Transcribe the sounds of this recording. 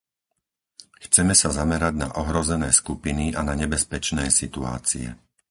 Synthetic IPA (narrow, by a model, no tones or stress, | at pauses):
xt͡sɛmɛsazamɛɾaɟna̰ʔɔɦɾɔzɛnɛːskupiniʔanaɲɛbɛspɛt͡ʃnɛːsit̪ua̰ːt͡sḭɛ̰